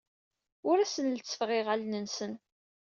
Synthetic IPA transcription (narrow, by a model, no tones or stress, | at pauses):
ʊɾæsənlət͡sːə̥fʁɪʁælnənsən